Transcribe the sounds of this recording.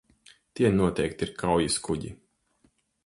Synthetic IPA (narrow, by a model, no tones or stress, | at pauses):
t̪iɛnuɔt̪ɛjk̚t̪iɾkʰawjiskuɟḭ